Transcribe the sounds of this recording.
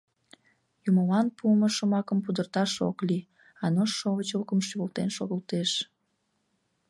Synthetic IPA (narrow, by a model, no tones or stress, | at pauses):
jumolɑnpuəməʃəmɑkəmpud̪ərt̪ɑʃo̰kli | ɑnoʃːoβət͡ɕokəmʃiβəlt̪enʃoɣəlt̪eʃ